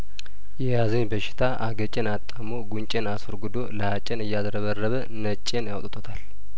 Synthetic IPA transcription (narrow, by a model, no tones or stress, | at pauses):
jɛjazəɲbəʃɪ̥t̪ʰaʔaɡət͡ʃʼenat̪ʼːamoɡunt͡ʃʼenasəɾɡɨd̪oləhat͡ʃʼːenɨjːazɾəβərːəβə | nət͡ʃʼːenjawt̪ʼt̪ʰot̪ʰal